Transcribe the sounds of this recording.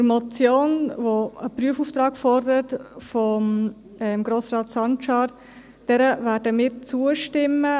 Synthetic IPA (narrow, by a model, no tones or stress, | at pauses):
ɾmɔt͡sjoːnvoəpryəfuːft̪ɾɑːɡfɔɾdəɾətfɔm | ɛmɡ̥ɾoːsrɑːtsɑnʃɑːɾ | d̥ɛɾəvæːɾdəmiːɾt͡suəʃtɪmːə